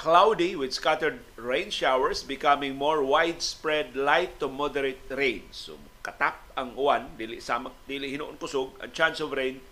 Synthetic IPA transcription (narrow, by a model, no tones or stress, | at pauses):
klawdiwɪd̪skat̪əɹd̚ | ɹẽjnʃawəɹsbɪkamɪ̃ŋmɔɹwajdspɹɛdlajtːumɔdɛɾet̪̚ɾẽjnsʊ̰ | kat̪ap̚aŋuandilḭʔsamak̚d̪iliʔhinṵʔʊnkʊsʊɡã̰nt͡ʃansɔvɾẽjn